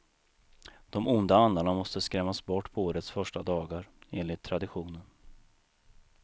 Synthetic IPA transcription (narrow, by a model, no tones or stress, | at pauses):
d̪̥ɔmʊnd̪aand̪aɳamɔst̪əskɾɛmːasbɔʈːpʰɔoːɾət̪sfœʂʈad̪ɑːɡaɾeːnlɪt̪ʰːɾad̪ɪɧuːnən